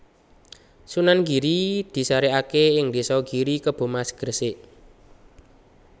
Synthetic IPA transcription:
sunanɡi̤ɾid̪̥i̤saɾeakeɪŋd̪isɔɡ̥iɾikəb̥o̤masɡ̥ərseʔ

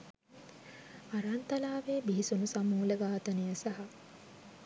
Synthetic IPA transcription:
aɾant̪ɐlaːʋeːbiɦisunusamuːləɡaːt̪ɐnijəsɐɦɐ

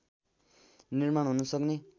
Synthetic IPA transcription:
nirmaɳ̃ɦunʌsʌkne

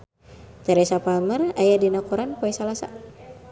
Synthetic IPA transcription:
t̪ɛɾɛsapamərajadinakuɾanpɔɛsalasa̰

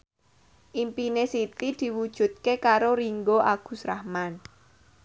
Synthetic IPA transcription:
ʔimpinesit̪id̪̥i̤wud̥ʒ̥ṳt̪̚kekaɾoɾiŋɡoʔaɡ̥ṳsɾahman

